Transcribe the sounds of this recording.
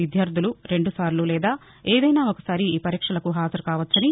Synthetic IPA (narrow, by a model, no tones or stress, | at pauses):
id̪ʱjaːɾd̪ʱuluɾe̞ɳɖusaːɾlulɛːd̪aː | eːd̪ɐjnaːokɐsaːɾiːpɐɾikʂɐlɐkuɦaːzɐɾukaːʋɐt͡ʃːɐni